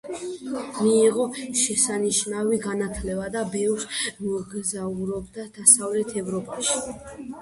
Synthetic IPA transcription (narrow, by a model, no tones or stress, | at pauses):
miːʁɔʃɛsaniʃnaviɡanat̪ʰlɛbad̪abɛvɾsmɔɡzauɾɔbd̪ad̪̥asavlɛt̪ʰɛvɾɔpʼaʃi̥